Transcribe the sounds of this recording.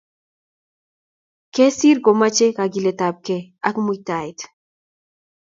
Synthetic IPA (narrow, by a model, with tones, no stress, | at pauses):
ke˦si˦ɾɡo˨ma˦t͡ʃe˦ka˨ɡi˨le˨ta˨p̚ke˦a˦kmu˦jta˨jt